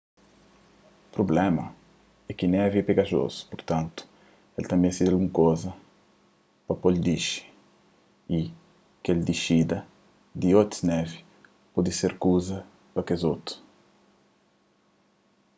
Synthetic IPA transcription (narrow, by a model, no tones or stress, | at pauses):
pɾoblɛmɐ | ɛkinɛviɛpeɡaʒo̰zu̥puɾt̪ãnt̪ʊ̥ | elt̪ɐ̃mbɛ̃j̃sid̪alɡũŋkozɐ | pɐpɔld̪iʃi̥ | i | keld̪iʃid̪ɐ | d̪iot̪unɛvi | pɔd̪iseɾkuzɐ | pɐkezot̪u̥